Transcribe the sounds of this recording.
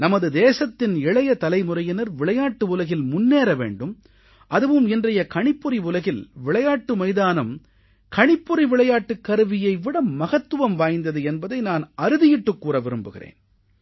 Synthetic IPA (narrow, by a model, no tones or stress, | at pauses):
nɐmɐðɯd̪eːsɐt̪ːɪnɪɭɐjɐt̪ɐlɐɪmʊɾɐjɐnɐɾʋɪɭɐjaːʈːɯʊlɐɣɪlmʊnːeːɾɐʋḛːɳɖɯm | ʔɐðɯʋɯmɪndrɐjɐkɐɳɪpːɯɾiʋʊlɐɣɪlʋɪɭɐjaːʈːɯmɐɪðaːnɯm | kɐɳɪpːɯɾiʋɪɭɐjaːʈːɯkːɐɾɯʋɪjɐɪʋɪɽɐmːɐɣɐt̪ːɯʋɐmʋaːjnd̪ɐðɯɛnbɐðɐɪnaːnɐɾɯðɪjɪʈːɯkːuːɾɐʋɪɾɯmbɯɣɪ̰rḛːn